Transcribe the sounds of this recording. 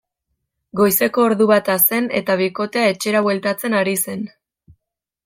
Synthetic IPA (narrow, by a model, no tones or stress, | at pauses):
ɡo̞jse̞ko̞ːɾðuβat̪ase̞ne̞̰t̪aβiko̞t̪e̞ae̞t͡ʃe̞ɾaβwe̞lt̪at͡se̞naɾise̞n